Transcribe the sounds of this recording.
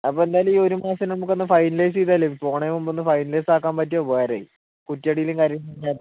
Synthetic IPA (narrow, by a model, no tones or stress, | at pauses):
ɐpːoe̞nd̪aːjɐlmiːo̞ɾumaːsɐnɐmukːenːɨfɐjnlɐjs̬iːt̪aːlːeipːoːɳejmumbonːɨfɐjnlɐjsaːk̬ːaːmpɐt̬ːoʋeːɾɐi | kutːɐɽijiluŋkɐɾjɐinːaːt̪ː